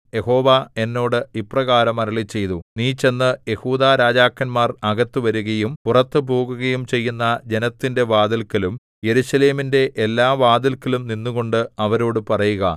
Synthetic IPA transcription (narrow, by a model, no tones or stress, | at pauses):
je̞ho̞ːʋae̞nːo̞ːɽɨiprɐɣaːɾɐmɐɾɐɭit͡ɕːe̞jt̪uniːt͡ɕe̞nːɨjehuːd̪aːɾaːd͡ʑaːkːɐnmaːrɐɡɐt̪ːuʋɐɾuɣɐjumpurɐt̪ːɨpoːɡuɣɐjumt͡ɕe̞jːunːɐd͡ʑe̞nɐt̪ːinde̞ʋaːd̪ilkːɐlum | je̞ɾuɕɐle̞ːminde̞ʔelːaːʋaːd̪ilkːɐlumninːuɣo̞ɳɖɨɐʋɐɾo̞ːɽɨpɐrɐjuɣɐ